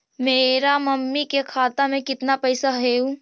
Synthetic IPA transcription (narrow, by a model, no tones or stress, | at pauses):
meːɾamɐmːikekʰaːt̪amẽkɪt̪napɐjsaɦeũ